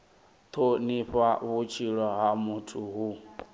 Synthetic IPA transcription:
t̪ʰoniɸaβut͡ʃʰiɺɔɦamutʰuɦu

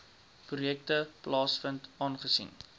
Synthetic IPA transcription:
prujɛk̚təplɑːsfəntɑːnχəsḭn

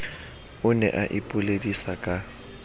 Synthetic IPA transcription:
ʊnɛ̰ʔaʔɪpʼʊledisakʼa

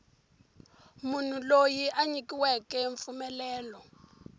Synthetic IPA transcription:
mun̤ulojiʔaɲikiwɛkɛɱfumɛlɛːlɔ

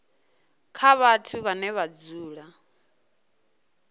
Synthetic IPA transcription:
kʰaβatʰuβanɛβad͡zuːɺa

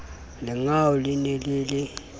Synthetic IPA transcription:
lɪŋaulineliːli

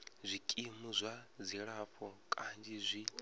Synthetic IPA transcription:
zʷikʼimuzʷad͡ziɺaɸʰʼɔkʼand͡ʒizʷi

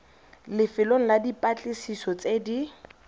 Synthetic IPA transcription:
lɪfɪloŋ̩ladipʼat͡ɬʼɪsisɔt͡sʼedi

